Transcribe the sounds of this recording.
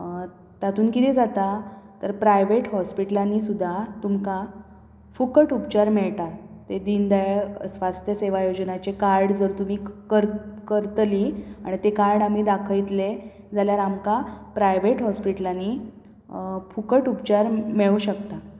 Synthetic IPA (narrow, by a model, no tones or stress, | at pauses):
t̪at̪ʰuːnkit̪iːd͡zat̪at̪əɾpɾajʋeʈɦɔspiʈəlanːiːsud̪ʱːat̪umka | fukəʈupt͡ɕaɾmeɭt̪at̪ed̪ind̪ajɭsʋast̪ʰjəseʋajod͡ʑnat͡ɕekaɾɖd͡zəɾt̪um̤iːkəɾkəɾt̪liaɽ̃it̪ekaɾɽam̤iːd̪akʰəjt̪le | d͡zaljaɾamkapɾajʋeʈɦɔspiʈəlanːiː | fukəʈupt͡ɕaɾmeɭuːɕəkt̪a